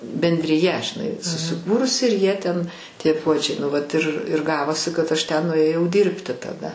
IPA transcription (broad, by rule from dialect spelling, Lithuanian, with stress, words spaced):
bʲɛnʲdʲrʲɪˈjɛ ʒʲɪˈnɐɪ sʊsʲɪˈkuːrʊsʲɪ ɪr ˈjiɛ tʲɛn ˈtʲiɛ ˈpuɔd͡ʒʲɛɪ nʊ ˈʋɐt ɪr ɪr ˈɡɑːʋoːsʲɪ kɐt ˈɐʃ ˈtʲɛn nʊeːˈjɛʊ ˈdʲiːrʲpʲtʲɪ tɐˈdɐ